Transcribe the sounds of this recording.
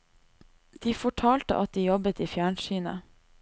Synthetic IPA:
d̪̥iːfɔʈʰɑːlt̪ə̰ʔɑt̪̚d̪iːjɔbət̪iːfjæːɳʃyːnə̰

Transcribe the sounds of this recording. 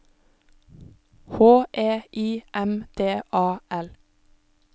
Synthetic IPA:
hoːʔeːʔiːʔɛmd̪̥eːʔɑːʔɛl

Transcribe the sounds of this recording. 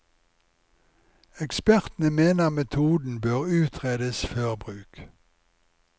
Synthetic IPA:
ɛkspæʁt̪n̩əmeːnəʁmɛt̪ʰuːd̪n̩bøːʁʉːt̪ʰʁeːd̪əsføːʁbʁʉːk

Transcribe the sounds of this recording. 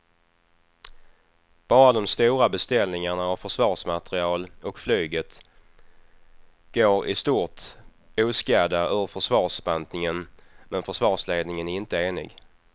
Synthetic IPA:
b̥ɑːɾad̪ɔmst̪uːɾabɛst̪ɛlnɪŋaɳaːvfœʂvɑːʂmat̪ɾɪɑːlɔkflyːɡət̪ | ɡ̥oːɾɪ̰st̪uːɾt | uːskaːd̪aœvəfœʂvɑːʂbant̪nɪŋənmɛnfœʂvɑːʂleːd̪nɪŋənæɾɪnt̪əeːnɪ̰ɡ

